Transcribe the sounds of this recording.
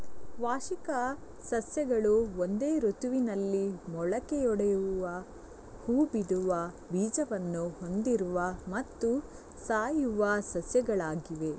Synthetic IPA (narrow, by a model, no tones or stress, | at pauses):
ʋaːʃikɐ | sɐsjɐɡɐɭuond̪e̞ːɾot̪uʋinɐlːimɔɭɐkejɔɽejuuʋɐ | huːbid̪uʋɐ | biːd͡ʒɐʋɐnːuho̞nd̪iɾuʋɐmɐt̪ːu | saːjuʋɐsɐsjɐɡɐɭaːɡiʋe̞